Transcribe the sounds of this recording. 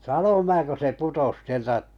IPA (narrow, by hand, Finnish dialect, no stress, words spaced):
sɑnom mæː ko se putos sieltæʔ